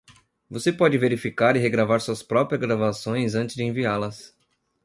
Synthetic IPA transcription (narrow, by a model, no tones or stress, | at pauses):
vosepɔd͡ʒɪveɾifikaɾɪɦeɡɾavaɾsuɐspɾɔpɾiɐzɡɾavasõj̃zɐ̃nt͡ʃɪ̥zd͡ʒɪẽvialɐs